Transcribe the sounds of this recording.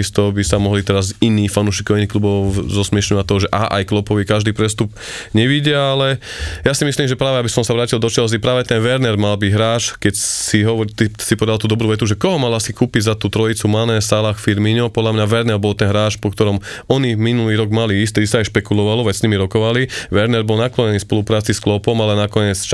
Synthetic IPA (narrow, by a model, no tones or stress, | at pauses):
ist̪ɔbisamɔɦlit̪ɛɾaziniːxfanuʃikɔainiːxklubɔʊzɔsmɪɛʃɲɔʋac̚t̪ɔɦɔʒɛʔaːʔa̰jklɔpɔʋikaʒd̪iːpɾɛst̪up | ɲɛʋiɟɪɛalɛjasimisliːmʒɛpɾaːʋɛabisɔmsaʋɾaːcild̪ɔt͡ʃɛlzipɾaːʋɛt̪ɛnʋɛɾnɛɾmalbiɦɾaːt͡ʃkɛcsiɦɔʋɔɾt̪isipɔʋɛd̪alt̪uːd̪ɔbɾuːʋɛt̪uʒɛkɔɦɔmalasikuːpiɟzat̪uːt̪ɾɔit͡sumanɛsalaxfiɾmiɲɔpɔd̪lamɲaʋɛɾnɛɾbɔlt̪ɛnɦɾaːt͡ʃpɔkt̪ɔɾɔm | ɔniminuliːɾɔɡmaliist̪iisaajʃpɛkulɔʋalɔʋɛsɲimiɾɔkɔʋaliʋɛɾnɛɾbɔlnaklɔɲɛniːfspɔlupɾaːt͡sisklɔpɔmalɛnakɔɲɛt͡st͡ʃ